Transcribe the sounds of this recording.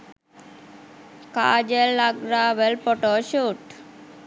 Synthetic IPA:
ka̰ːd͡ʒəlːaɡɾaːʋəlpoʈoːʃuːʈ

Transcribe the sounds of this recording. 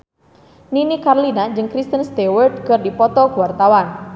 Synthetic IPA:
ninikarlinad͡ʒɨŋkɾist̪ənst̪ewərd̚kərdipɔt̪ɔkuwart̪awan

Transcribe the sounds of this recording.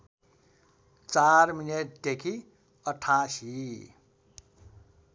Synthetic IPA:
t͡sarmineʈ̚d̪ekʰi | ʌʈʰːasi

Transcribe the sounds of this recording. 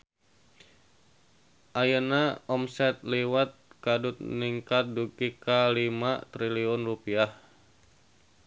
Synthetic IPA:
ʔajənaɔmsɛt̪̚liwat̪̚kadʊt̪̚niŋkat̪̚duɡikalimat̪ɾiliɔnrupiah

